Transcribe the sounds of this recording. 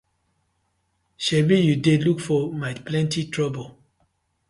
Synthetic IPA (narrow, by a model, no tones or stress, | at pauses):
ʃɛbijudelukfɔmaɪplɛ̃ntitɹɔbol